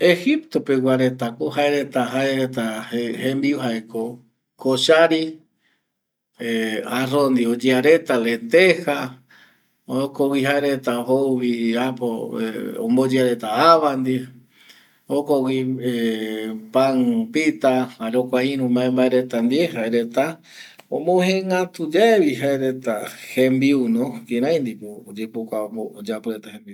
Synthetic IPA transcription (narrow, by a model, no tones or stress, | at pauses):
ehipt̪o̞pewaɾe̞t̪akoɦaeɾe̞t̪aɦaeɾet̪ahẽmbiuɦaeko | koʃaɾi | arõnd̪iod͡ʒeaɾe̞t̪alet̪eha | okowiɦaeɾet̪aɦouβiapoõ̰mbod͡ʒeaɾe̞t̪aaβand̪i | hokowie | paŋpit̪ahaɾokʷaĩɾũmbaẽmbaeɾet̪and̪ieɦaeɾe̞t̪a | õmoɦẽŋat̪ud͡ʒaeβiɦaeɾe̞t̪ahẽmbiunõkĩɾãj̃nd̪ipoːd͡ʒepukʷaood͡ʒapoɾet̪ahembiu